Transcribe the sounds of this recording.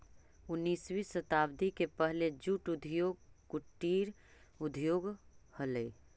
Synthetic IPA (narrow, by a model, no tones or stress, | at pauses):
ʊnːiːswisət̪aːbd̪ʱikepəɦled͡ʒuʈud̪ʱjoːɡ̚kuʈːiːɾ | ʊd̪ʱjoːɡhələi